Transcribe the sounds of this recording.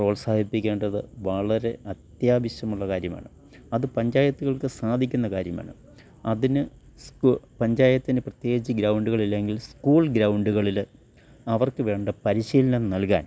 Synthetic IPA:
ro̞ːɭsaːd̪ʱipːikʲːe̞ːɳɖɐðɨʋɐɭɐɾe̞ɐt̪jaːbiɕɐmuɭːɐkaːɾjɐma̰ːɳɨ | ɐðɨpɐɲd͡ʑaːjɐt̪ːuɣɐɭkɨsaːd̪ʱikʲːunːɐkaːɾjɐma̰ːɳɨ̰ | ɐðinɨ | skupɐɲd͡ʑaːjɐt̪ːinɨprɐt̪jeːd͡ʑiɡɾɐwɳɖuɣɐɭilːeŋɡilskuːɭɡɾɐwɳɖuɣɐɭil | ɐʋɐrkɨʋe̞ːɳɖɐpɐɾiɕiːlɐnɐnnɐlka̰ːn

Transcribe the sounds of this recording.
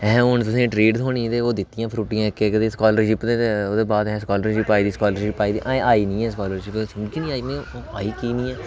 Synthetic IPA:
ɛ̃ːʊɳt̪ʊsẽːʈɾeːɖzɦoːɳĩːd̪eːoːd̪ɪt̪ːɪjãːpʰɾuːʈɪjãːkekəd̪eːskɔːləɾʃɪpd̪eːt̪eoːd̪eːbaːd̪ɦɛ̃ːskaːləɾd͡ʒɪpaːiːd̪iːskaːləɾʃɪpːaːiːd̪iːʔaːaːiːnĩːɛ̃ːskaːləɾʃɪpesʊmkinĩːaːiːnĩːaːiːkiːnĩːɛː

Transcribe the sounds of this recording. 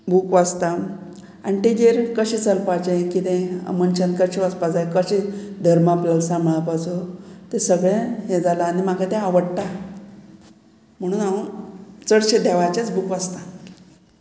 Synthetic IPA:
buːkʋad͡zt̪a | aniʈid͡ʑeɾkəɕiːt͡səlpat͡ɕẽkit̪ẽə̰mənt͡ɕənkəɕiʋaspad͡zajkəɕĩd̪ʱəɾmapləlsãmɭapat͡sot̪esəɡɭẽɦed͡zalaːnimakat̪ẽaʋəɽʈ̪a | m̤əɽ̃uːna | t͡səɽt͡ɕed̪ʱɛʋajt͡ɕjat͡sbukʋad͡zt̪a

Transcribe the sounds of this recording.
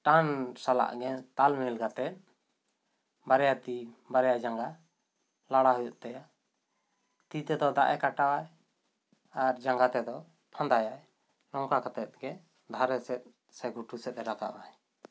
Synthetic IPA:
ʈansala̰ʔɡɛnt̪almilɡat̪ɛt̪̚ | baɾɛjat̪ibaɾɛjad͡ʒaŋɡa | laɽaɦɔjɔʔt̪aja | t̪it̪ɛd̪ɔd̪a̰ʔɛkaʈawaj | aɾd͡ʒaŋɡat̪ɛd̪ɔ | pʰãnd̪ajaj | lɔŋkakat̪ɛt̪̚ɡɛ | d̪ʱaɾɛsɛt̪̚ˀ | sɛɡuʈusɛt̪̚ɛɾaka̰ʔwaj

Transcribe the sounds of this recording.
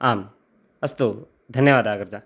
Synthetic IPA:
aːm | ɐst̪o | d̪ʱɐnjəʋaːd̪aːɡəɾd͡ʒaː

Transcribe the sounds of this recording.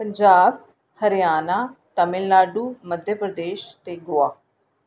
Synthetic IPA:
pəɲd͡ʒaːb̚ | həɾɪjaːnaːt̪əmɪlːaːɖuːməd̪ʱjəpɾəd̪eːʃt̪eːɡʊaː

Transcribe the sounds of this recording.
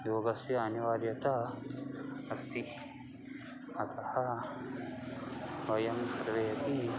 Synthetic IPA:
joːɡɐsjɐɐniʋaːɾjɐt̪a | ɐst̪i | ɐt̪ʰɐhɐ | ʋɐjɐmsɐɾʋejɐt̪i

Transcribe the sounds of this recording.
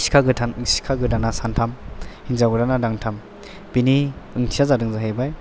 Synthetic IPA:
kʰaɡɯtʰansi̥kʰaɡɯdanasantʰamhinzaɡɯɾanadaŋtʰam | b̥iniɯŋtʰijazadɯŋzaɦebaj

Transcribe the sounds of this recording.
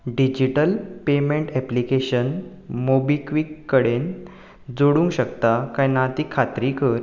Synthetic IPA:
ɖid͡ʑiʈəlpemẽɳʈɛplikeɕən | mobikʋikːəɽen | d͡zoɽũŋkɕəkt̪akãjnat̪iːkʰat̪ɾikəɾ

